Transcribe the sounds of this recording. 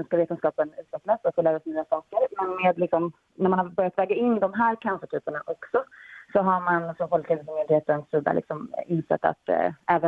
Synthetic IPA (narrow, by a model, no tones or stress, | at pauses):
nskaveːt̪ənskɑːpənʉ̟ːt̪vɛklasɔfɔlɛːvasnyːasɑːkəɾmɛnmeːd̪lɪksɔm | næɾmanhabœɾjat̪vɛːɡaɪnːd̪ɔmɦæːɾkʰanfəʈʰyːpəɳaʔɔksɔsɔɦaɾmansɔmfɔlkʰɪlsɔmɪnd̪heːt̪ənsʉd̪a̰lɪ̰ksɔmɪnsɛ̰t̪ːa̰t̪ɛːvə